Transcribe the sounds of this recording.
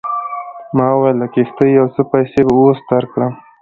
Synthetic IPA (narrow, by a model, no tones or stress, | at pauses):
mɑwajlakext̪əjawt͡səpajsebaosd̪aɾkɽəm